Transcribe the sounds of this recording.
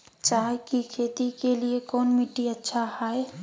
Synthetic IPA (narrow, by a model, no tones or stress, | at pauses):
t͡ʃaːkikʰeːt̪ikeliekɔːnmɪʈːiɐtːʃʰahaːe